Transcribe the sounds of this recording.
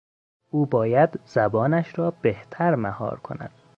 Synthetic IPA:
ʔuːbɒːjæd̪z̥æbɒːnæʃɾɒːbeht̪ʰæɾmæhɒ̰ːɾkʰo̞̰næ̰d̪̥

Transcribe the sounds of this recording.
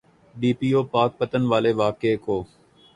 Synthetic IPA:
ɗiːpiːoːpaːk̚pət̪ənʋaːleːʋaːkeːkoː

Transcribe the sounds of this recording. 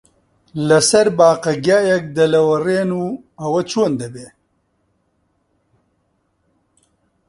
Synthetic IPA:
lɐsɐɾbaːqɐɡjaːjɐk̚d̪ɐlɐwɐreːnuː | ɐwɐt͡ʃʰoːnd̪ɐbeː

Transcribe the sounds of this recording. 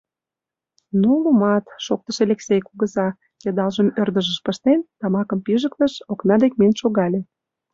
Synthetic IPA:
nulumɑt̪ʃok̚t̪əʃelʲeksejkuɣəzɑ | jɑd̪ɑlʒə̆mørd̪ə̆ʒə̆ʃpəʃt̪ent̪ɑmɑkə̆mpiʒək̚t̪ə̆ʃoknɑd̪ek̚menʲʃoɣɑlʲe

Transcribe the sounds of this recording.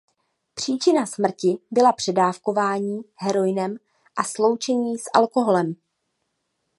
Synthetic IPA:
pr̥iːt͡ʃɪnasmr̩cɪbɪlapr̥ɛdaːfko̞vaːɲiːɦɛɾo̞jɪnɛm | ʔaslo̞wt͡ʃɛɲiːsʔa̰lko̞ɦo̞lɛm

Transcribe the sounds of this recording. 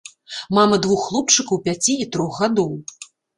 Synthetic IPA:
mamɐd̪vuxːlˠup̚t͡ʂɨkɐwpʲat͡sʲiit̪ɾɔxɣad̪ɔw

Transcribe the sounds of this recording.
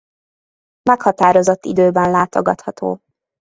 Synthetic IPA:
mɛkhɒt̪aːɾo̞zo̞t̪ːid̪øːbɛnlaːt̪o̞ɡɒt̪hɒt̪o̰ː

